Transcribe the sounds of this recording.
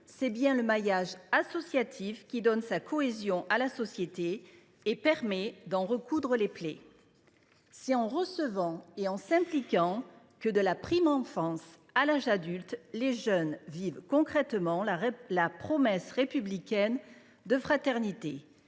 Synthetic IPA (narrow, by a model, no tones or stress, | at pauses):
sɛbjɛ̃ləmajaʒasɔsjat̪ʰifkʲid̪ɔnsakʰɔezjɔ̃ʔalasɔsjet̪eː | pɛʁmɛd̪ɑ̃ʁəkud̪ʁəleple | siɑ̃ʁəsəvɑ̃eɑ̃sɛ̃plikɑ̃ | kəd̪əlapχimɑ̃fɑ̃s | alaʒad̪ylt̪leʒœnvivkɔ̃kχɛt̪mɑ̃lapχɔmɛsʁepyblikʲɛn | d̪əfχat̪ɛʁnit̪e